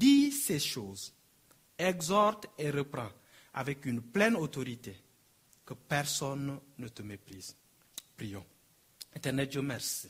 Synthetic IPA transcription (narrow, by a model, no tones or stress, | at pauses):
d̪iseʃoz | ɛɡzɔɾt̪eɾəpɾɑ̃ | a̰vɛkynplɛnot̪oɾit̪e | kəpɛɾsɔnːət̪əmepɾiz | pɾijɔ̃ | ɛ̃nt̪ɛʁnɛt̪d͡ʒəmɛɾsi̥